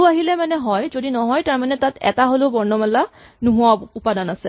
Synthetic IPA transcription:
aɦilɛmanɛɦɔjzodinɔɦɔjtaɹmanɛtatɛ̰taɦoloʊbɔɹnɔmalːa | nuɦuwaupadanasɛ

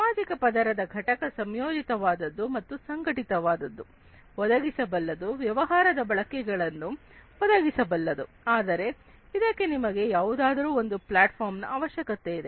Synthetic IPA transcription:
samaːd͡ʒikɐpɐd̪ɐɾɐd̪ɐɡʱɐʈɐkɐsɐmjoːd͡ʒit̪ɐʋaːd̪ɐd̪ːumɐt̪ːusɐŋɡɐʈit̪ɐʋaːd̪ɐd̪ːu | ʋɔd̪ɐɡisɐbɐlːɐd̪uʋjɐʋɐɦaːɾɐd̪ɐbɐɭɐkɛɡɐɭɐnːu | ɔd̪ɐɡisɐbɐlːɐd̪u | aːd̪ɐɾe̞ | id̪ɐkːe̞nimɐɡe̞jaːʋud̪aːd̪ɐɾuːo̞nd̪uplaːʈpʰaːɾmnɐʔaːʋɐʃjɐkɐt̪e̞id̪e

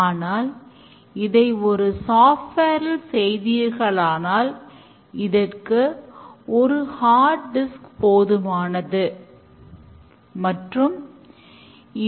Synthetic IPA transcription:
naːl | ɪðɐɪɔɾɯsaːfʈeːɾɪlsɛjðɪjɐɾɣɐɭaːnaːl | ɪðɐrkɯʔɔɾɯhaːʈ̚ɖɪskpoːðɯmaːnɐðɯ | mɐʈrɯm | ɪ

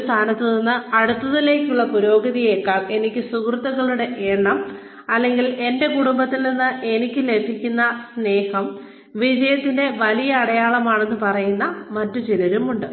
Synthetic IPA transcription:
ost̪ʰaːnɐt̪ːɨninːɨɐɽut̪ːɐðile̞ːkʲːuɭːɐpuɾo̞ːɡɐðijeːkːaːme̞nikʲːɨsukrɨt̪ːɐɣɐɭuɽeʔeːɳːɐm | ɐlːe̞ŋɡile̞nde̞kuɽumbɐt̪ːilninːɨʔe̞nikʲːɨle̞pʰːikʲːunːɐsne̞ːhɐm | ʋid͡ʑɐjɐt̪ːinde̞ʋɐlijɐːɽɐjaːɭɐmaːɳe̞nːɨpɐrɐjunːɐmɐtːut͡ɕilɐɾumuɳɖɨ

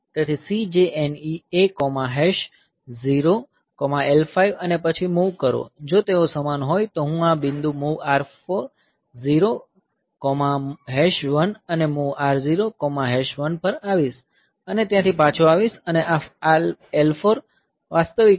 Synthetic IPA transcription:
t̪jãt̪ʰisid͡ʒeɛniekɔmaɦɛʃ | ziɾo | kɔmaelfaiʋənepət͡ʃʰimuʋkəɾo̰d͡ʒot̪eosəmanɦojt̪oɦũabind̪umuʋaɾfoɾ | ziɾo | kɔmaɦɛʃʋənənemuʋaɾziɾokɔmaɦɛʃʋənpəɾaʋiʃ | ənet̪jãt̪ʰipãt͡ʃʰoaʋisəneʔaalelfoɾ | ʋast̪əʋi

